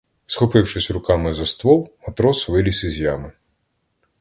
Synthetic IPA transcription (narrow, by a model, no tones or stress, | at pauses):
sxɔpɪwʃɪsʲɾʊkɑmɪzɐst̪ʋɔwˠmɐt̪ɾɔsʋɪlʲisɪzʲjɑmɪ